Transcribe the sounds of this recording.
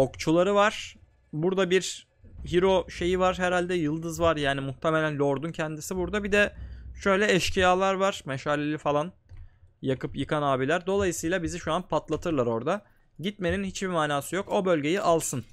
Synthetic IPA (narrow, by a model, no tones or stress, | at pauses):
o̞kt͡ʃʰulˠaɾɯvaɾ̥ | buɾd̪abiɾ | ɦiɾo̞ʃe̞jivaɾ̥ɦɛɾalʲd̪ɛjɯlˠd̪ɯzvaɾjaːnimuht̪ʰɛmelʲænlʲo̞ɾd̪uncʰɛnd̪isibuɾd̪abid̪ɛʃø̞jlʲɛɛʃcʰijaːlˠaɾvaɾ̥mɛʃaːlʲelʲifalˠan | jakʰɯpjɯkʰanaːbilʲæɾd̪o̞lˠajɯsɯjlˠabiziʃuanpʰat̪lˠat̪ʰɯɾlˠaɾo̞ɾd̪a | ɟit̪me̞ninhit͡ʃbimaːnaːsɯjo̞ko̞bø̞lʲɟejiʔalˠsɯn